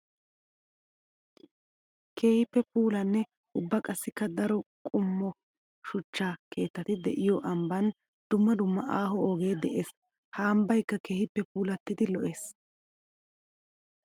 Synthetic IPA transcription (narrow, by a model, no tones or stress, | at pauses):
kʰeːhɪpːɛpuːlɐnːɛ | ʊbːɐkʼɐsːɪkːɐd̪ɐɾɔkʼʊmːɔ | ʃʊt͡ʃːaːke̞ːt̪ːɐt̪ɪd̪ɛʔɪjɔʔɐmbɐn | d̪̥ʊmːɐd̪ʊmːɐʔaːhɔoːɡe̞ːd̪ɛʔeːs | haːmbɐjkːɐke̞ːhɪpːɛpuːlɐt̪ːɪd̪ɪlɔʔe̞ːs